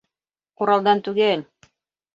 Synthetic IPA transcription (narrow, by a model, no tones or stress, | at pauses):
quɾɑlˠd̪ɑnt̪ʉɡælʲ